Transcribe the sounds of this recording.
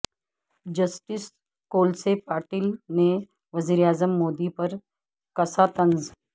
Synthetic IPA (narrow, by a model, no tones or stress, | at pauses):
d͡ʒɐsʈɪs | koːlsepaːɾʈilne | ʋɐziːɾeaːzəmːoːd̪ipɐɾ | kɐsat̪ɐ̃nz